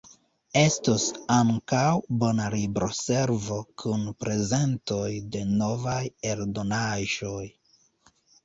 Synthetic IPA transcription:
e̞stosaŋkawbo̞nalibɾo̞se̞ɾvo̞kʰunpɾe̞ze̞nto̞jde̞no̞vaje̞ɾdo̞naʒo̞j

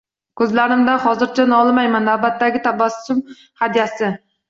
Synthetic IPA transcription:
kʲʰɵzlæɾɪmd̪ɛχɒzɨɾt͡ʃʰɛnɑlˠɨmɛjmɛnæbæt̪ːæɡʲɪt̪ʰɑbɑssʊm | hæd̪ijɛsɪ

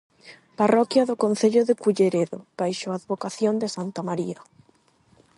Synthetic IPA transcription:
parɔkjɐðʊkonθeʎʊðekuʎeɾeðo̰b̥ajʃoaðβokaθjond̪ɪsant̪amaɾiɐ

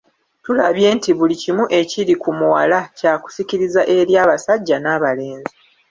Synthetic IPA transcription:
tulaβje̞ːntiβulicimuʔe̞ciɾikumuwalacaːku̥siciɾizaʔe̞ɾjaːβasaɟːanaːβale̞ːnzi

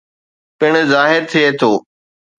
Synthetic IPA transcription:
pɪɽ̃̆zaːɦɪɾt̪ʰijet̪ʰoː

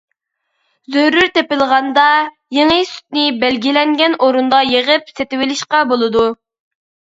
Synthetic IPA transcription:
zøɾyɾt̪epɪlˠʁɑnd̪ɑ | jeŋəsy̥t̪̚nɪbælɡʲilɛŋɡʲɛnʔoɾund̪ɑjeʁəp̚set̪ɪwɪlɪʃqɑbolˠɨd̪u

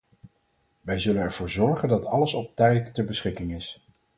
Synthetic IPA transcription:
ʋɛjzɵlənɛɹv̥ʊːɹzɔɹχəndɑtɑləsɔp̚tɛjtːəɹbəsχɪkɪŋɪs

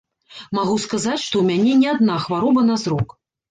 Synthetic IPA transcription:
maɣuskazat͡sʲʂt̪ɔwmʲanʲɛnʲiad̪̚naxvaɾɔbɐnazɾɔk

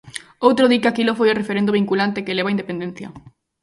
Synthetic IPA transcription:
owt̪ɾoðikeakilofojorefeɾend̪oβiŋkulant̪ekeleβaind̪epend̪en̟θjɐ̰

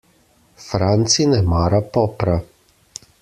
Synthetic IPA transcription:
fɾant̪sinɛmaːɾapɔːpɾa

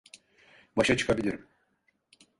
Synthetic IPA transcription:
baʃat͡ʃʰɯ̥kʰabilʲiɾim

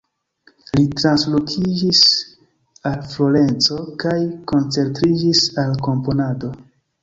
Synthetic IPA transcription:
litɾanslo̞kʰid͡ʒis | alflo̞ɾe̞nt͡so̞kajko̞nt͡se̞ɾtɾid͡ʒisalko̞mpo̞nado̞

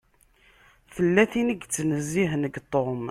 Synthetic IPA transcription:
θəlːæθiniɡt͡sːnəzːiɦnəɡt̪ˤːom

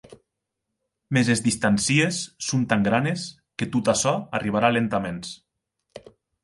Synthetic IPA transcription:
mezezðist̪ansiesːont̪aŋɡɾanes | ket̪ut̪asɔariβ̞aɾalent̪amens

